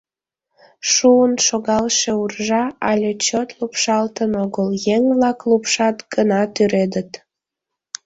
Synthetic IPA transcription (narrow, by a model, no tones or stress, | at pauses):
ʃuənʃoɣɑlʃeurʒɑɑlʲet͡ɕot̪lupʃɑlt̪ənoɣəljeŋvlɑklupʃɑt̪ɡənɑt̪yɾed̪ət̪